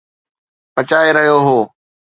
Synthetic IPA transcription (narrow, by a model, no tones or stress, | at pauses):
pɐt͡ɕaːeɾɐɦijoɦoː